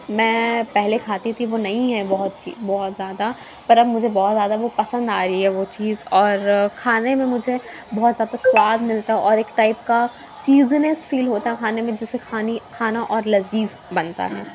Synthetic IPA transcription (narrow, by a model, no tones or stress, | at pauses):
mɛ̃ːpɛɦlekʰaːt̪it̪ʰiʋonɐĩɦɛbɔɦʊt̪̚t͡ʃḭːbɔːʊt̪zjaːd̪a | pɐɾɐbmʊd͡ʒʱebɔːt̪zjaːd̪aʋopɐsə̃nd̪aːɾiɦɛʋot͡ʃiːzɔːɾkʰaːnemẽmʊd͡ʒʱe | bɔːt̪zjaːd̪aswaːd̪ʱmɪlt̪aɦɛʔɔːɾeːkʈaːɪp̚ka | t͡ʃiːznesfiːlɦoːt̪aɦɛkʰaːnemẽd͡ʒɪsekaːnikʰaːnaʔɔːɾlɐziːz | bɐnt̪a̰ɦɛː